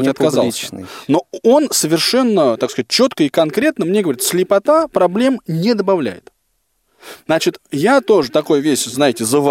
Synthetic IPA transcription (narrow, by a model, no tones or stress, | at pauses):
ɐt̪kɐzalsno̞o̞nsəvʲɪrʂɛnːət̪akskɐzat̚ʲt͡ɕːo̞t̪kəikɐnkɾʲe̞t̪nəmnʲeɡəvɐɾʲit̪sʲlʲɪpɐt̪apɾɐblʲe̞mnʲed̪əbɐvlʲæ̰jɪ̰t̪ | nat͡ɕɪt̪jat̪o̞ʐɨt̪ɐko̞jvʲeɕʲznajɪtʲɪzəv